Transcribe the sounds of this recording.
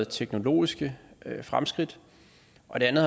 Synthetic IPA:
ð̩ˠt͡sʰeɡ̥no̝lo̝̰ːisɡ̥əfʁamsɡ̥ʁid̥ | ʔɒ̽d̥e̝ænð̩ˠ

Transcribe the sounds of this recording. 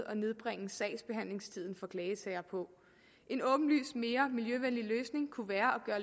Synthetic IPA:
ɒ̽ne̝ð̞ˠb̥ʁɛŋ̰̩sɛ̰ɪsb̥e̝ɦæn̰le̝ŋst͡sʰið̞̰ˠn̩fɒ̽kʰlɛːət͡sʰɛɪ̰ɐpʰɒ̽ | ʔe̝nɔ̽ːb̥n̩ly̰ːsme̝ːɐmiljøʋenliløːsne̝ŋkʰuʋæːɐʔɒ̽ɡ̥ɶɐ

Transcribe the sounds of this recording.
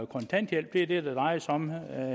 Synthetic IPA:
kʰɔ̽nt͡sʰæn̰d̥ɡel̰b̥̚d̥ed̥ed̥æd̥ɑ̈ɪsɒ̽m

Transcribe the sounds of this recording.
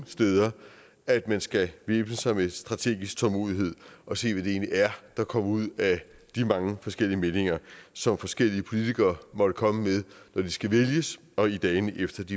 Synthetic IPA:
sd̥eːðˠɐ | æd̥mænsɡ̥æʋe̝ːb̥nəsɑ̈ɪmesd̥ʁɑ̈t͡sʰe̝̰ːɡ̥isɡ̥̚t͡sʰɒ̽lmo̝ːðˠiɦe̝ð̞̰ˠʔɒ̽se̝̰ːʋæd̥e̝e̝̰ːnliæɐd̥ɑ̈kʰɒ̽muð̞̰ˠæd̥imɑ̈ŋəfɒ̽sɡ̥el̰iəme̝ne̝ŋɐsɒ̽mfɒ̽sɡ̥el̰iəpʰo̝lit͡sʰiɡ̥ɐːmɒ̽d̥əkʰɒ̽məmeðˠnɒd̥isɡ̥æʋeljəs | ɒ̽id̥ɛːɪnefd̥ɐd̥i

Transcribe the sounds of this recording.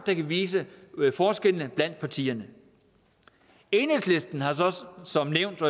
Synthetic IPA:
d̥ɑkʰæʋiːs̬əfɒːsɡ̥el̰ənəb̥læn̰d̥̚pʰɑ̈t͡sʰḭːɐnə | e̝ːnəsle̝sd̥n̩ɦɑ̈sɒ̽sɒ̽mneʊ̰nd̥ɒ

